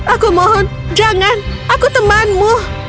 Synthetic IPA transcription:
akumɔɦɔnd͡ʒaŋanakut̪əmanmu

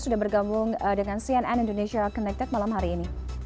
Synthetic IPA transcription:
sudahbərɡambʊŋdəŋansiɛnɛnindoneʃiakɔnɛk̚t̪ɛt̪̚malamɦaɾiːni

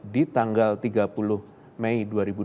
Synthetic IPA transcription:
dit̪aŋɡalt̪iɡapulʊh | mɛiduaɾibu

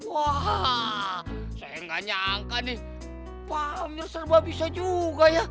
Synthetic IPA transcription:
waɦ | sajaŋɡaɲaŋkani | pamɲarsərbabisad͡ʒuɡaja

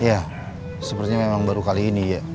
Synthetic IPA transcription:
ja | səpərt̪iɲamemaŋbaɾukaliːnija

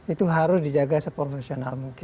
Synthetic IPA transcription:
it̪uɦaɾʊsdid͡ʒaɡasəpɾofesionalmuŋkɪ

